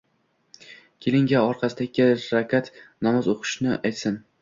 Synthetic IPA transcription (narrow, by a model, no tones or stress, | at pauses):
kʲʰelɪŋɡʲaɒɾqʰɑsɪd̪akʲɪɾakʲat̪namɒzoqʰʊ̥ʃnɪʔajt̪sɪn